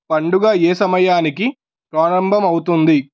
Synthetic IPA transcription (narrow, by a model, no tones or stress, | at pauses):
pɐɳɖuɡaːeːsɐmɐjaːnik̬i | pɾaːɾɐmbʱɐmɐwut̪und̪i